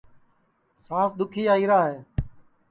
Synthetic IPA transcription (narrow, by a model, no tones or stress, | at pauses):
sãːsd̪ʊkʰiːaːiːɾaːɦeː